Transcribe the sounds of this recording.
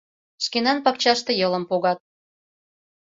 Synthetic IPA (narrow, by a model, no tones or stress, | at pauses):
ʃkenɑnpɑk̚t͡ɕɑʃt̪ɤ̆jɤlə̆mpoɣɑt̪̚